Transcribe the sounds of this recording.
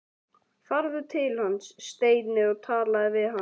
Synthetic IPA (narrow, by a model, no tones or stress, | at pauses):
faɾðʏt̪ʰɪlhansːt̪eːjt̪nɪɔɣt̪ʰaːlaðɪvɪðɦa